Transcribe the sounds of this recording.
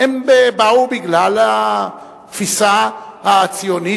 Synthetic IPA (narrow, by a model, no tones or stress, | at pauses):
embebawbiɡlala | fisahaːt͡sioni